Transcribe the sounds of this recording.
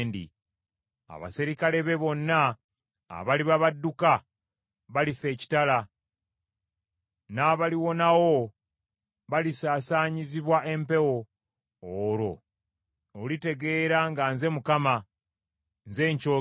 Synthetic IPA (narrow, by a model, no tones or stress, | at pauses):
ndḭ | a̰βa̰siɾikale̞βe̞βo̞nːa̰ː | βaliβaβadːuka | βalife̞ːci̥tala | naβaliwo̞nawo | βalisaːsaːɲiziβwaʔe̞mpe̞woː | ɾo̞ | olite̞ɡe̞ːɾaŋɡanze̞mukama | nze̞ːɲco